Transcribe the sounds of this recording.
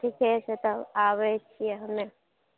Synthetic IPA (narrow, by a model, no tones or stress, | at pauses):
ikɛset̪əaβɛt͡ʃʰijɛɦəme